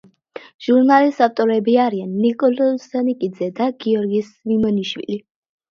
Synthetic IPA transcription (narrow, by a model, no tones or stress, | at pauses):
ʒ̥uɾnalisaft̪ʼɔɾɛbiaɾianːikʼɔlɔsanikʼid̪zɛd̪aɡiɔɾɡiːs | vimɔniʃwḭli